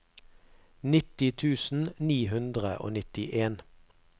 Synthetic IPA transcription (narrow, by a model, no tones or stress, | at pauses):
nɪt̪ɪt̪ʰʉːsn̩niːɦʉnd̪ʁəʔo̰ːnɪt̪ɪʔeːn